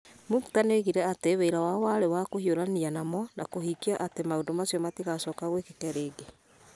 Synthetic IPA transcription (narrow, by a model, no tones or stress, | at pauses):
muktaneɣiɾɛateβeiɾawawaɾewakohioɾanianamɔnakohikiaʔatemaodomasjɔmatiɣasɔːkaɣwekekɛɾeːɡe